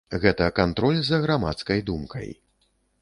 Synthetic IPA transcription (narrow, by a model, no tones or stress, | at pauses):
ɣɛt̪ɐkant̪ɾɔlʲzɐɣɾama̰t̪skɐjd̪umkɐ̰j